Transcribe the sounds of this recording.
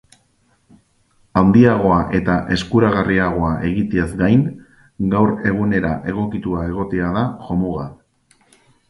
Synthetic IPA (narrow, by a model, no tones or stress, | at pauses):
awnd̪iaɣ̞o̞aʔe̞t̪aʔe̞skuɾaɣariaɣ̞o̞aʔe̞ɣit̪eazɡajŋ | ɡawɾe̞ɣ̞une̞ɾa̰ʔe̞ɣ̞o̞kit̪uae̞ɣ̞o̞t̪eaðaʝo̞muɣa